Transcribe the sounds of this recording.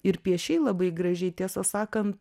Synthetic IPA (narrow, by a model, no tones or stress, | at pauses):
ɪɾpʲiɛʃʲɛɪlˠɐbɐɪɡɾɐʒʲɛɪt̪ʲiɛsɐsɑːkɐnt̪